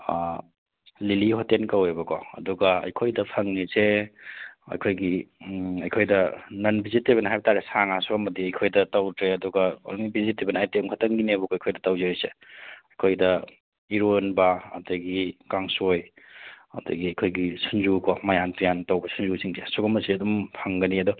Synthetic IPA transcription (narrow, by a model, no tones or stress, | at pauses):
lilihɔtenkɐwebɐkɔɐ̰duɡɐɐ̰jkʰojdɐpʰɐŋnise | ɐ̰jkʰojɡiɐjkʰojdɐnɐnbiziteβɐnɐɦajbɐtaɾesaŋasuɡamɐdiɐjkʰojdɐtawtɾeɐduɡɐo̰lŋibizitːebɐnajteŋkʰatɐŋɡinebɔkɔɐjkʰojdɐtɐwzeɾiseɐjkʰojdɐ | iɾonbɐɐ̰tɐɡikaŋsoj | ɐ̰dɐ̰ɡiɐjkʰojɡisunzukɔmajantijantawbɐsunzusiŋzesuɡɐmɐsiɐdɔmpʰɐŋɡɐniɐdu